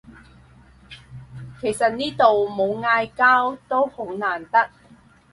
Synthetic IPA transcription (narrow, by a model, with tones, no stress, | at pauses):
kʰe˨˩jsɐ˨t̚niː˥t̪o˨wmo˨˧wŋaː˧jkaː˥wt̪o˥who˨˥wnaː˨˩nt̪ɐ˥k̚